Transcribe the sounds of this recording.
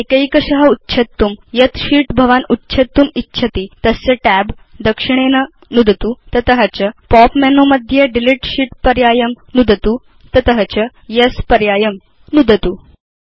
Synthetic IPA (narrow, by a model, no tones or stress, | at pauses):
ekəikəɕɐɦɐutːɕʰɐt̪ːumjɐt̪ɕiːʈbʱɐʋanutːɕʰɐt̪ːumitːɕʰət̪it̪əst͡səʈæbd̪əkʂiɳ̃enə | nud̪ʱt̪ut̪ət̪əɦɐt͡ɕəpɔpmɛnoməd̪ʱjeɖiliʈɕiːʈpəɾjajəm | nud̪ʱət̪u | t̪ət̪əɦət͡ɕə | jəspəɾjajəm | nud̪ʱət̪uː